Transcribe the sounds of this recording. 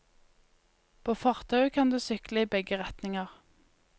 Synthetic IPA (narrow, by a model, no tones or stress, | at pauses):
pʰoːfɑʁt̪ʰɑʉkʰɑnd̪ʉːsʏkləiːbɛɡəʁɛt̪nɪŋəʁ